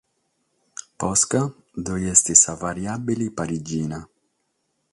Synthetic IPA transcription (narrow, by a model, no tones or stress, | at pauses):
pɔska | d̪ojɛst̪isavaɾjabilipaɾid͡ʒiːna